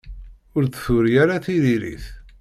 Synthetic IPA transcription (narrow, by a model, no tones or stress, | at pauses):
ʊɾθθʊɾijaɾaθiðiɾḭθ